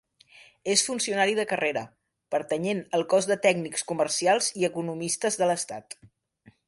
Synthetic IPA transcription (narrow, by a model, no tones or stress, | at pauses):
esfunsiunaɾiðəkəreɾə | pəɾt̪əɲenəlˠkɔzðət̪ɛɡnikskumərsialˠziəkunumist̪əzðələst̪at̪